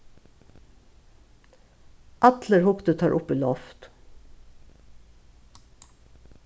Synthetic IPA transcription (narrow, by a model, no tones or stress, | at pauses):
ʔɑt̪ləɹhʊkt̪ət̪ʰɑːɹʔʊpiːlɔft̪